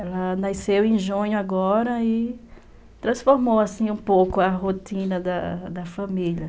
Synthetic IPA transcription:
ɛlɐnasewẽʒũɲʊaɡɔɾɐɪ | t̪ɾɐ̃sfoɾmowasĩũpowkʊɐɦot̪ĩnɐd̪ɐd̪ɐfãmiʎɐ

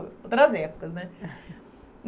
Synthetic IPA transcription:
ot̪ɾazjɛpkəznat̪ʲ | n

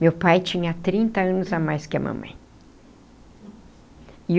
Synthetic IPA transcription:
mewpajt͡ʃĩɲɐt̪ɾĩnt̪ɐɐ̃nʊzamajskɪɐmɐ̰̃mɐ̰̃j̃ | ɪ

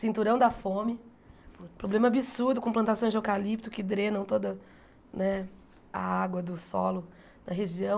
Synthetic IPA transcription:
sĩnt̪uɾɐ̃w̃d̪ɐfõmɪ | pɾoblẽmɐabisuɾd̪ʊkõplɐ̃nt̪asõj̃zd͡ʒewkalip̚t̪ʊkɪd̪ɾẽnɐ̃w̃t̪od̪ɐ | nɛ | ɐaɡwɐd̪ʊsɔ̰lʊ | nɐɦeʒiɐ̃w̃

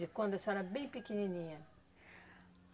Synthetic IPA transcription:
ɪkwɐ̃nd̪ɛsɛɾɐbẽj̃pikininĩɲɐ

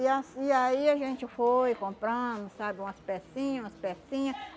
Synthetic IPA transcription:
iasiaiaʒẽnt͡ʃɪfojkõmpɾãmʊ̃ssabɪũaspesĩɲũaspesĩɲã

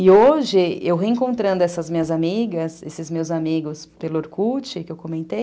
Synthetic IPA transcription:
ɪoʒɪewɦeĩŋkõnt̪ɾɐ̃nd̪ʊɛsɐzmĩɲɐzamiɡɐsesɪzmewzamiɡʊspelʊoɾkut͡ʃɪkɪewkomẽnt̪ej

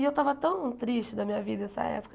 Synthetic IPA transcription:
ewt̪avɐt̪ɐ̃ww̃t̪ɾiʃt͡ʃɪd̪ɐmĩɲɐvid̪ɐɛsɐ̰ɛ̰pʊ̥kɐ

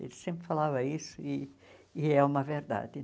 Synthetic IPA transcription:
ḛlsẽmpɾɪfalavɐisʊiː | ɛumɐveɾd̪a̰d̪ɪ

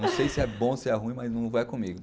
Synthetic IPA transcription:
ɐ̃w̃sejsɪɛbõsɪɛɦũĩmajznɐ̃w̃vajkõmiɡʊ

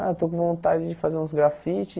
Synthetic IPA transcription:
a̰et̪okõvõnt̪ad͡ʒɪd͡ʒɪfazeɾũsɡɾafit͡ʃɪ

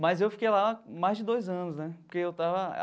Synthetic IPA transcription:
mɐjzewfi̥kejlamajzd͡ʒɪd̪ojzɐ̃nʊsnɛpoɾkeewt̪avɐ

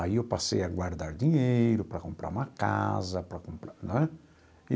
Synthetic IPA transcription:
aiewpasḛjɐɡwaɾd̪aɾd̪iɲejɾʊpɾɐkõmpɾa̰ɾũmɐka̰zɐpɾɐkõmpɾañɛ

